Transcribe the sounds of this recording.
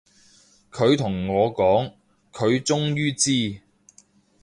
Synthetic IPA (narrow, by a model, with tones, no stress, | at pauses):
kʰɵ˨˧ɥt̪ʰʊ˨˩ŋŋɔː˨˧kɔː˨˥ŋ | kʰɵ˨˧ɥt͡sʊ˥ŋjyː˥t͡siː˥